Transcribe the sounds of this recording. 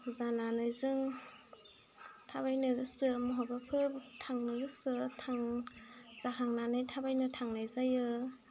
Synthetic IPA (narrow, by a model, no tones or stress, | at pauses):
zananɯjzɯŋ | tʰabajnɯɡɯsɯmɔɦɔbapʰɯɾtʰaŋnɯɡɯsɯtʰaŋ | z̥akʰaŋnanajtʰabajnɯtʰaŋnajzajɯ